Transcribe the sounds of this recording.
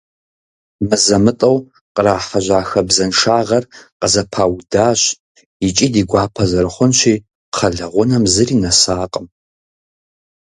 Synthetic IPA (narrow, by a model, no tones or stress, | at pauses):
mɨzɐmɨtʼɐw | qəraːħaʒʷaːxɐbzɐnʂaːʁɐrqʼəzɐpʰaːwdaːɕ | it͡ʃʼiːdiːɡʷaːpʰɐzɐrɨχʷʊnʃʷiː | qʰɐɮɐʁʷʊnɐmzɨriːnɐsaːqʼəm